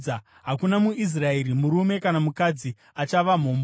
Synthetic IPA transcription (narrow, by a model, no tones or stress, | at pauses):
a | ɦakunamuis̬rae̞ɾimuɾume̞kanamukad͡zi | at͡ʃaʋam̤oːmb